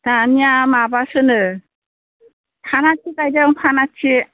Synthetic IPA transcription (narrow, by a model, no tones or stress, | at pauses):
tanijamabasɯnɯ | pʰanat͡ʃʰikajdaŋpʰanat͡ʃʰi